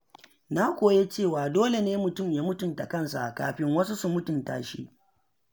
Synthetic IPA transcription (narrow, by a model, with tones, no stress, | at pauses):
na˦kʷoː˨je˦t͡ʃeː˦˨waː˨doː˦le˨neː˦mʊ˨tʊ˦˨mjaː˦mʊ˦tʊ˨nta˨kɐ˦nsa̰˨ʔka̰ː˨ɸɪ˦ŋwɐ˦su˦su˨mʊ˦tʊ˨nta̰ː˨ʃḭ˦ʔ